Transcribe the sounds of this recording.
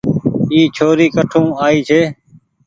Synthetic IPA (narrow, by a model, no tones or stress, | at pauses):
iːt͡ʃʰoːɾiːkəʈʰũːaːiːt͡ʃʰeː